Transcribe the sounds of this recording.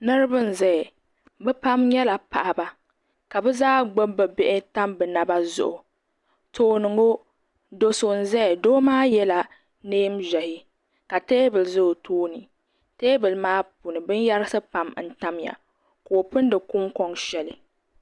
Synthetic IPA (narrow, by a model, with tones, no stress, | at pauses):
nɨ˦ɾɨ˦bɨ˦n̩˨zɛ˦˨ | bɛ˦pa˦mɲɛ˦la˨pa˨ʔa˨ba˨ | ka˨bɛ˦zaː˦ɡ͡bo˦bɨ˨bɛ˦ʔɪ˦ta˦mbɨ˨na˨ba˦zʊ̰˨ʔʊ˨ | tʰoː˦nɨ˨ŋo˦ | do˨so˨n̩˨zɛ˦˨doː˦maː˦jɛ˦la˨ | neː˦mʒɛ˨hɪ˦ | ka˨teː˦bɨ˨lzʊ˦˨tʰoː˦nɨ˨ | teː˦bɨ˨lmaː˦pu˨nɨ˨bɨ˦n˦ja˦ɾɨ˦sɨ˦pa˨mn̩˦ta˦mja̰˨ | koː˨pɨ˦ndɨ˨kʊ˦ŋkɔ˦ŋʃɛ˦lɨ˨